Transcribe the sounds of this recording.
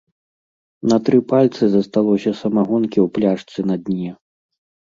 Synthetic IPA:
nɐt̪ɾɨpalʲt̪sɨzɐst̪alˠɔsʲɐsɐmaɣɔnkʲiwplʲaʂt̪sɨnɐd̪ʲnʲɛ

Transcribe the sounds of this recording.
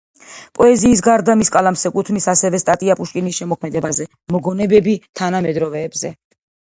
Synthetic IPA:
pʼɔɛziːs̬ɡaɾd̪amiskʼalamsɛkʼut̪ʰmisasɛvɛst̪ʼat̪ʼiapʼuʃkʼinisʃɛmɔkʰmɛd̪ɛbazɛ | mɔɡɔnɛbɛbit̪ʰanamɛd̪ɾɔvɛːbzɛ

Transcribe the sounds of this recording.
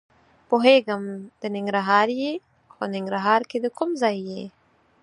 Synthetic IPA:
poɦeɡəmd̪̥ənɪŋɡɾaɦɑɾje | xo̰nɪŋɡɾaɦɑɾked̪əkumzɑjːe

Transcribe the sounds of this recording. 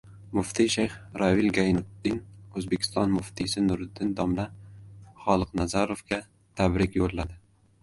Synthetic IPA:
mʊft̪ʰiʃajχɾavilɡajnʊt̪ːɪnɵzbekʲʰɪ̥st̪ɒnmʊft̪ʰisɪnʊɾɪd̪ɪnd̪ɒmla | χɒlˠɨqnazaɾofɡʲa | t̪ʰabɾɪkʲjolːad̪ɪ

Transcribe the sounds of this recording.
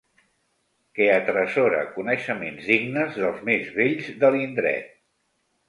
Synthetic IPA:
keət̪ɾəsoɾə̰kunəʃəmenzðiɡnəzðəlˠzmezβeʎzðəlind̪ɾɛ̰t̪̚

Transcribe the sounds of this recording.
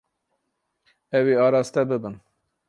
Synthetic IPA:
ɛweɑːɾɑːst̪ɛbɨbɨn

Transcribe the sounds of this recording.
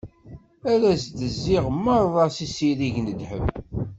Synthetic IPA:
æɾæsd̪əzːiʁmːɑɾˤðˤɑsisiɾiʝnəd̪ħə̰m

